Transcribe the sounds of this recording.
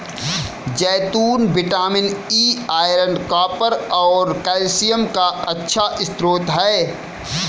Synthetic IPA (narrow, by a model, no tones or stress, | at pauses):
d͡ʒɛːt̪uːnbɪʈaːmɪniːaːɪɾəɳɖkaːpəɾɔːɾkɛːlsijəmkaɐtːʃʰaʔɪst̪ɾoːt̪ɦɛː